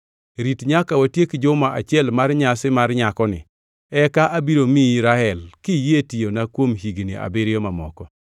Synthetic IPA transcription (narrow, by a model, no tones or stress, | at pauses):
ɾitɲakawatjekd͡ʒʊmaʔat͡ʃɪɛlmarɲasɪmarɲakɔnɪ̰ | ɛkaʔabiɾomiiɾaɛlkɪjetijonakwomɦiɡnḭʔa̰bɪɾjɔmamɔkɔ